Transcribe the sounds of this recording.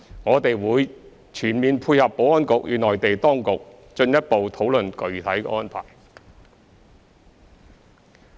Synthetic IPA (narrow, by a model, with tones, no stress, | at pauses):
ŋɔː˨˧t̪e˨jwuː˨˧j | t͡ʃʰyː˨˩nmiː˨npʰuː˧jhɐ˨pːo˨˥wɔː˥nkʊ˨k̚jy̰ː˨˧nɔː˨˩jt̪e˨jt̪ɔː˥ŋkʊ˨k̚ | t͡ʃɵ˧njɐ˥t̚po˨wt̪ʰo˨˥wlɵ˨nkɵ˨˧ɥt̪ʰɐ˨˥jkːɔː˥npʰa̰ː˨˩j